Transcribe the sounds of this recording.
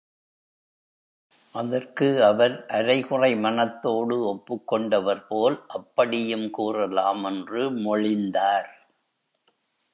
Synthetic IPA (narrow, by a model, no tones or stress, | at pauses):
ʔɐðɐrkɯɐʋɐɾʔɐɾɐɪɣɯrɐɪmɐnɐt̪ːoːɽɯɔpːɯkːɔɳɖɐʋɐɾpoːlʔɐpːɐɽɪjɯmkuːrɐlaːmɛndrɯmɔɻɪnd̪aːɾ